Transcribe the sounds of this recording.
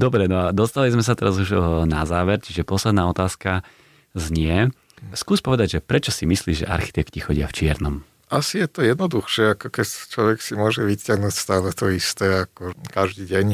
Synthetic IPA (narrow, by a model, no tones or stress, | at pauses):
d̪ɔbɾɛnɔad̪ɔst̪alizmɛsat̪ɛɾazuʒnazaːʋɛɾt͡ʃiʒɛpɔslɛd̪naːɔt̪aːska | zɲɪɛ | skuːspɔʋɛd̪aɟʒɛpɾɛt͡ʃɔsimisliːʒʒɛ̰ʔa̰ɾxi̥t̪ɛkcixɔɟɪa̰ft͡ʃɪɛɾnɔm | ʔasijɛt̪ɔjɛd̪nɔd̪uxʃɪɛakɔkɛct͡ʃlɔʋɛksimʊɔʒɛʋicɪaɦnucst̪aːlɛt̪ɔist̪ɛːakɔkaʒd̪iːɟɛɲ